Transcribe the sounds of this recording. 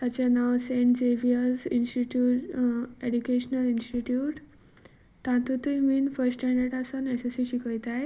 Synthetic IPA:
t̪at͡ɕanaʋseɳʈd͡ʑeʋiəzinsʈiʈjuːʈeɖukeɕnəlinsʈiʈjuːʈ | t̪ãt̪ut̪ujmiːnfəɾsʈʈɛ̃ɳɖəɾʈasənesesiɕikəjt̪aj

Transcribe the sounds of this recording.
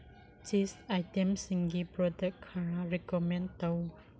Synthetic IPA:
t͡ʃisajtɛ̃msĩŋɡipɹɔdɛkkʰːaɹaɹɛkɔmɛ̃nt̪ow

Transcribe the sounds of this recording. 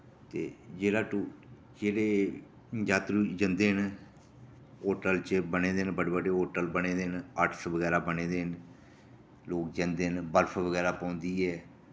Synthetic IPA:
t̪eːd͡ʒeːɽaːʈuː | d͡ʒeːɽeː | d͡ʒaːt̪ɾuːd͡ʒənd̪eːɦn | oːʈəlt͡ʃəbəneːd̪eːnbəɽebəɖeɦoːʈəlbəneːd̪eːnəʈʰsʋəɡɛːɾaːbəneːd̪eːɦn | loːkd͡ʒənd̪eːnbəɾpʰʋəɡɛːɾaːpãːnd̪iːɛː

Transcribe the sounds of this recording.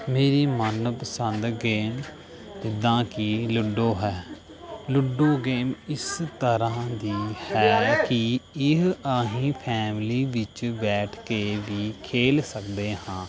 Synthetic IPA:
meːɾiːmənpəsənd̪ɡeːm | d͡ʒɪd̪ãːkɪlʊɖoːɦɛː | lʊɖoːɡeːmɪst̪əɾãːd̪iːhɛːkɪɪɦəɦĩːpʰɛːmliːʋɪt͡ʃbɛːʈʰkeːʋiːkʰeːlsəkd̪eːhãː

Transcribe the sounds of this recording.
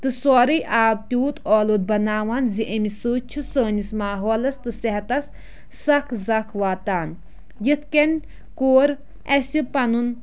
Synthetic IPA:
t̪ɨsoːɾɨjʔaːbt̪uːt̪ʰoːlut̪̚bɐnaːʋaːnziʔɐmisɨːt͡ʃʰusəːnismaːɦoːlɐst̪ɨseɦɐt̪ɐs | sɐkʰzɐkʰʋaːt̪aːn | jit̪ʰkenʲ | koːɾ | ɐsipɐnun

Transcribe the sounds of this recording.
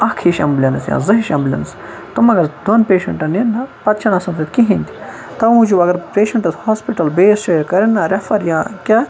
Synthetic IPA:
ɐkʰiʃɐ̰mblʲɐnɐsja̰ːzɐɦiʃɐmblʲɐ̰nɐs | t̪umɐɡɐɾd̪onpeːʃɐɳʈɐninːɐpɐt̪t͡ʃʰɐnɐsɐnt̪ɐt̪kiɦind̪i | t̪ɐmud͡ʒubɐɡɐɾpeːʃɐɳʈɐshaːspiʈɐlbeːst͡ʃekɐɾɐnːɐɾɐfɐɾjãːkʲɐ

